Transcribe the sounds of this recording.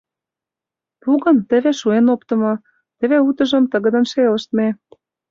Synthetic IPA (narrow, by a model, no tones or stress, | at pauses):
puɣɤ̆nt̪ə̆βeʃuenopt̪ɤ̆mɤ̆ | t̪ə̆βeut̪ɤ̆ʒə̆mt̪ɤ̆ɣə̆d̪ə̆nʃelə̆ʃt̪me